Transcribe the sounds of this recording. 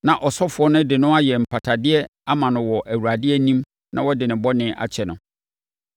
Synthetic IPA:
nã˨ʔɔ˨sɔ˦fʊ˨˦ɔ˦nʊ̃˦dɪ˨nʊ̃˦a˦jɛ˨m̩˨pʰa˨tʰa˨dɪ˦ɛ˦ | a˦mã˨nʊ̃˨wɔ˨ʔæ˨wu˨a˨dɪ˦ɛ˦nĩ˦m | nʔã̰˦wɔ˦dɪ˨nɪ̃˨bɔ˦nɪ̃˦ʔa̰˨t͡ɕʰɛ˨nʊ̃˨

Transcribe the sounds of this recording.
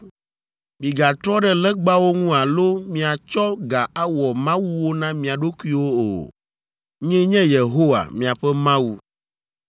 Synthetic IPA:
mĩ˨ɡa˨t̪ɾɔ˦ɖɛ˦lɛ˦ɡ͡ba˦wo˦ŋũ˦a˨lo˦mĩ˨a˨t͡ʃɔ˦ɡa˨a˦wɔ˨mã˦wu˦wo˦nã˦mĩ˨a˨ɖo˦kʷu˦i˦wo˦o̰˨ | ɲɛ̃˦ɲɛ̃˦je˨ɦo˦wa̰˨mĩ˨a˨ɸɛ˦mã˦wu˦

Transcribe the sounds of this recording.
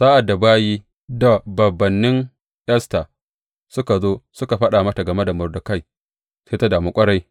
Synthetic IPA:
saː˦ʔa˨dːa˨baː˦jiː˦ | da˨bɐ˨bːɐ˨nːɪ˦ŋ | ʔɐ˦staː˨ | sʊ˦ka˨zoː˦sʊ˦ka˨ɸɐ˦ɗaː˨mɐ˦ta˨ɡɐ˨me˦da˨mʊ˨rdʊ˨ka˦j | seː˦ta˦daː˨mu˦kʷʼɐ˦ɽa˦j

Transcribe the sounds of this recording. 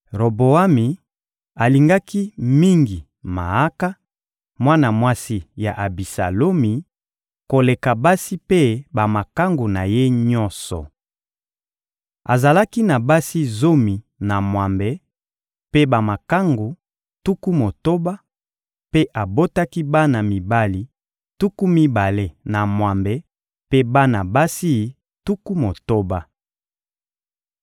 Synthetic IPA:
ʁo˨bo˨a˦mi˨ | a˨li˨ŋɡa˦ki˦mi˦ŋɡi˨ | ma̰˨a˦ka˦ | mwa˦na˨mwa˦si˦ja̰˨ʔa˨bi˨sa̰˨lo˦mi˨ | ko˨le˨ka˨ba˦si˦pe˦ba˨ma˨ka˦ŋɡo˨na˨je˦ɲɔ˦nsɔ̰˨ | a̰˨za˨la˦ki˦na˨ba˦si˦zo˦mi˨ | na˨mwa˨mbe˨ | pe˦ba˨ma˨ka˦ŋɡo˨ | tu˦ku˦mo˨to˦ba˦ | pe˦ʔa˨bo˦ta˦ki˦ba˦na˨mi˨ba˦li˨ | tu˦ku˦mi˦ba˨le˦na˨mwa˨mbe˨ | pe˦ba˦na˨ba˦si˦ | tu˦ku˦mo˨to˦ba˦

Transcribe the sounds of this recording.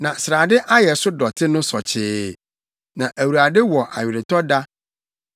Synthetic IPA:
nã˨sɾa˨dɪ˦ʔa˦jɛ˨sʊ˦dɔ˨tʰɪ˦nʊ̃˦sɔ˨t͡ɕʰɪː˦ | nã˨ʔæ˨wu˨ɾa˨dɪ˦wɔ˨ʔa̰˨jɪ˨ɾɪ˨tɔ˦da˦

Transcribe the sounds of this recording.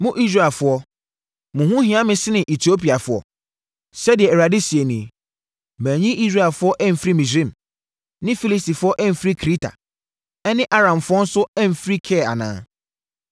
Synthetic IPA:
mʊ̃˦ʔi˦s̬ɾa˦˨fʊ˨˦ɔ˦ | mʊ̃˨ɦũ˦hĩ˦ã˦mɪ̃˦sɪ˦nɪ̃˨ʔe˨tʰi˨˦o˦pi˨a˨fʊ˨ɔ̰˦ | sɛ˦dɪ˨ɛ˨ɛ˨ɾa˨di˦si˨e˨nĩ˨e˨ | mæ̃ː˨ɲĩ˦ʔi˦sɾa˦˨ɛ˨lfʊ˨˦ɔ˦ʔæ˦m̩˨fɾi˦mĩ˨sɪ̃˦m | nɪ̃˦fi˦li˦sti˨fʊ˦ɔ˦ʔæ˦m̩˨fi˦kʰi˦tʰa̰˨ | ɛ˦nɪ̃˦ʔa˦ɾã˨m˨fʊ˦ɔ˦n̩˦sʊ˦æ˦m̩˨fɾi˦kʰɛː˦˨a̰˨nã̰ː˨˦

